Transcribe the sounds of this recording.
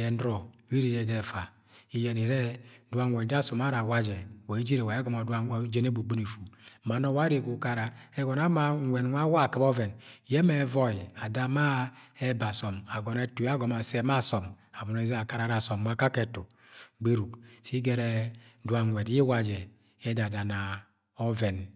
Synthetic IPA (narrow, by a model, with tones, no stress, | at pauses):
ɛ˨n˦dɾɔ˨wi˦ɾi˦˨ɾe˨ɡɛ˦˨fa˨ | i˦jɛ˨ni˨ɾɛ˦du˦a˦ŋʷɛ˨n˨˦da˦sɔ˨ma˦ɾa˨wa˦d͡ʒɛ˨wa˨i˦d͡ʒi˦ɾe˨wa˨e˦ɡɔ˦ma˨du˦a˦d͡ʒe˦ne˦bu˨ɡ͡bu˦ni˨fu˨ma˨nɔ˦wa˦ɾe˨ɡu˨ka˦ɾa˨ɛ˦ɡɔ˨na˦ma˦ŋʷe˨n˦wʷa˦wa˦˨kɨ˦bɔ˦vɛ˨n˨jɛ˦mɛ˨˦vɔ˦ji˨a˨da˦ma˦ɛ˦ba˨sɔ˨ma˨ɡɔ˨nɛ˦tu˨˦a˦ɡɔ˨ma˨sɛ˦ma˦˨sɔ˨ma˨bu˨ne˨˦ze˦a˨ka˦ɾa˨˦ɾa˨sɔ˨m˨wʷa˦ka˦kɛ˨to˨ | ɡ͡be˦ɾu˨ksi˦ɡɛ˨ɾɛ˦du˨˦a˨ŋʷɛ˨di˦wa˦d͡ʒɛ˨ | ɛ˦da˨da˨na˨ | ɔ˦vɛ˨n